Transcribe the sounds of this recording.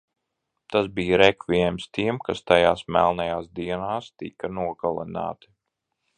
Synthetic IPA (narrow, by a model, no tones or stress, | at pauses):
t̪asbiːjɾɛkviɛmst̪iɛmkast̪ajaːsmælˠnajaːsd̪iɛnaːst̪ikanuɔɡalˠɛ̰na̰ːt̪i